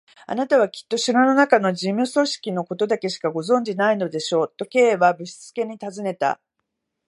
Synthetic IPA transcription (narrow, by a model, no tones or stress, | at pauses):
a̰nat̪aβ̞akʲi̥t̪ːo̞ɕiɾono̞nakano̞d͡ʑĩmɯ̟so̞ɕi̥kʲino̞ko̞t̪o̞d̪ake̞ɕi̥kaɡo̞zõ̞ɲ̟d͡ʑinaino̞d̪e̞ɕo̞ːt̪ːo̞ke̞ːβabɯ̟ɕi̥t͡sɨ̥ke̞ɲ̟it̪azɨne̞t̪a̰